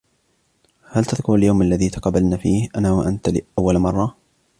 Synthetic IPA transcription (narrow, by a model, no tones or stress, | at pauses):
halt̪aðkʊɾaljawmalːaðiːt̪ɑ̥qɑbːalnaːfiːhʔanaːwaʔant̪lɪʔawːalmɑrˤːɑ